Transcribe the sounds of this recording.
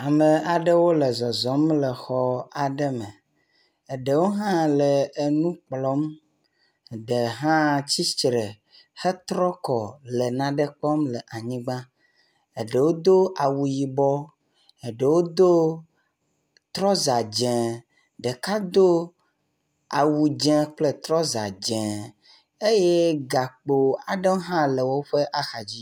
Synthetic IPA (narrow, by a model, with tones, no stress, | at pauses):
a˨mə˨a˨ɖə˦wo˦lə˨zɔ˨zɔ˨˦mlə˨xɔ˦a˨ɖə˦mə˨ | e˨ɖə˨wo˦ɦã˦lə˨e˨nũ˦k͡plɔ˦m˨ | ɖə˨ɦã˦t͡ɕi˦t͡ʃɾə˨ | xə˦t̪ɾɔ˦kɔ˨lə˨nã˨ɖə˦k͡pɔ˦mlə˨ʔa˨ɲĩ˦ɡ͡bã˦ | e˨ɖe˨wo˦d̪o˦ʔa˨wu˨ji˨bɔ˦ | e˨ɖe˨wo˦d̪o˦ | t̪ɾɔ˦za˨d͡ʒɛ̃˨ | ɖe˨ka˦d̪o˦ | a˨wu˨d͡ʒɛ̃˨k͡ple˦t̪ɾɔ˦za̰˨d͡ʒɛ̃˨ | e˦je˦ɡa˨k͡po˨a˨ɖe˦ɦã˦lə˨wo˦ɸe˦ʔa˦xa˨d͡ʑi˦